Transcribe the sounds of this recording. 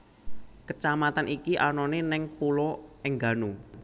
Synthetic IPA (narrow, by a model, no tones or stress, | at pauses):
kət͡ʃamat̪anikiʔanɔnenɪŋpulɔɪŋɡa̤nu